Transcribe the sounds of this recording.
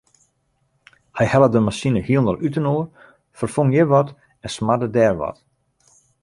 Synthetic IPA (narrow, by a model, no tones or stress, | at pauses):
hɛjhɛlˠədəmasinəhiəlndɔlˠʔytənoər | fərfoŋjəʋɔt | ɛnsmadədɛːrʋɔ̰t